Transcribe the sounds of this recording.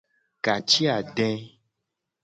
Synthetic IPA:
ka˨t͡ʃi˦a˨ɖɛ̃˦

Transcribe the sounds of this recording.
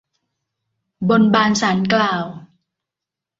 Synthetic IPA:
bo˧nbaː˧nsaː˩˦nklaː˧w

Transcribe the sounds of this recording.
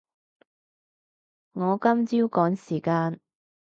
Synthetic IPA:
ŋɔː˨˧kɐ˥mt͡siː˥wkɔː˨˥ŋsiː˨˩kaː˧n

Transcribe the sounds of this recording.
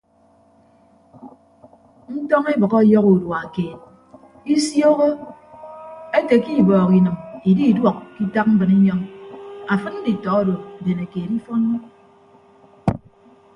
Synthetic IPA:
n̩˦tɔ˦ŋe˦bɔ˨kɔ˦jɔ˦ku˨dwa˨keː˨t̚ | i˦sjɔ˦ɣo˦ | e˦te˨ki˦bɔː˨ki˨nɨ˨mi˨di˦i˨dwɔ˨kki˦ta˦k̚m̩˦bɨ˨ni˦ɲɔ˦ŋa˨fɨ˦n̩˦di˨tɔ˨ɔ˦do˨de˨ne˨keː˨tm̩˦fɔ˦no˦

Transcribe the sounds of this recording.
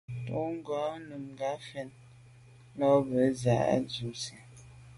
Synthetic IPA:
to˦ŋ̩˦ɡɔ˨˦nu˨mɡa˨˦fɛ˦n˦ | lɔ˦bə˨˦za˨˦a̰˦d͡ʒu˨˦sɛ˨

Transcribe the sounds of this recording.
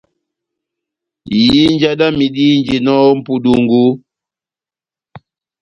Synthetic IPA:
ji˨˦n˦d͡ʒa˦da˦mi˨di˦nd͡ʒi˨nɔ˦m̩˦pu˨du˨ŋɡu˦

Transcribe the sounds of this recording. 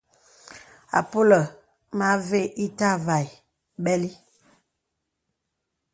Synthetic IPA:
a̰˨po˦lə˨ | ma˦ve˦ʔi˦ta˦va˨i˨ | ɓɛ˦li˦

